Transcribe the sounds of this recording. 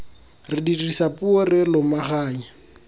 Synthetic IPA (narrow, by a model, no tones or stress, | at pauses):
rɪdirʼisapʊorɪlʊmaχaːi